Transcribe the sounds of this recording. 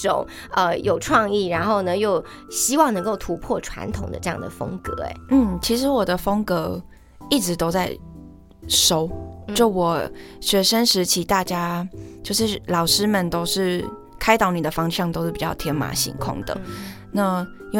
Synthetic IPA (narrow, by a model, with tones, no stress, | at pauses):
o̰˨˩˦ | ə˧jo˨˩ʊʈ͡ʂʰwɑ˥˧ŋi˥˩ɻa˧˥nxo˥˩ʊnə˨jo˥˩ʊ | ɕi˥wɑ˥˩ŋnɤ˧˥ŋko˥˩ʊt̪ʰu˧˥pʰwɔ˥˩ʈ͡ʂʰwa̰˧˥nt̪ʰʊ˨˩ŋd̪ə̰˦ʈ͡ʂɤ˥˧jɑ̰˥˩ŋd̪ə̰˩fɤ̰˥ŋkɤ̰˧˦ḛ˧˦n̩˥˩t͡ɕʰi˧˥ʂ̬ɻ̩˧˥wɔ˨˩d̪ə˦fɤ˥ŋkɤ˧˥ | i˥˩ʈ͡ʂɻ̩˧˥t̪o˥ʊt͡sa˥˩ɪ | ʂo˥ʊt͡ɕo˥˩ʊwɔ˨˩ɕɥɛ˧˥ʂə˥nʂɻ̩˧˥t͡ɕʰi˧˥t̪a˥˩t͡ɕja˥t͡ɕjo˥˧ʊʂɻ̩˥˩lɑ˨˩ʊʂɻ̩˥mə˨nt̪o˥ʊʂɻ̩˥˩ | kʰa˥ɪt̪ɑ˧˥ʊni˨˩d̪ə˦fɑ˥ŋɕjɑ˥˩ŋt̪o˥ʊʂɻ̩˥˩pi˨t͡ɕɑ˥˩ʊt̪ʰjɛ˧˥nma̰˨˥ɕḭ˧˥ŋkʰʊ̰˥˩ŋd̪ə̰˩ | na˥˩˥ | nw